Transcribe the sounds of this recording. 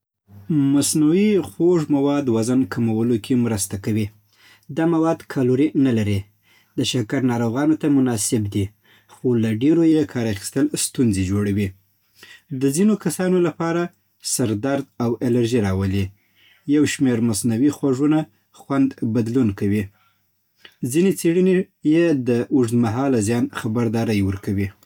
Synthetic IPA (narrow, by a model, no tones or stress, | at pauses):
masnawixoʐmawɑd̪wazankamawəlokʰemɾəst̪akawi | d̪ɑmawɑd̪kʰaloɾinalaɾi | d̪̥əʃakaɾnɑɾoɣɑnot̪amʊnɑsɪbd̪i | xolaɖeɾojekʰɑɾaxi̥st̪əlst̪unzed͡ʒoɽawi | d̪əzinokasɑnolapɑɾa | saɾd̪aɾd̪̚awelaɾʒiɾɑwəli | jawʃmeɾmasnawixwaʐuna | xwand̪bad̪lunkawi | zinet͡seɽəne | jed̪əʔuʐd̪maɦɑlazjɑnxabaɾd̪ɑɾəjwəɾkawi